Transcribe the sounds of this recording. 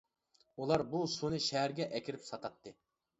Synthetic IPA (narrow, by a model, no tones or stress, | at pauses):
ulˠɑɾbusunɨʃɛɦæɾɡʲɛʔɛkʲiɾɪpsɑq̪ʰɑt̪ʰːɨ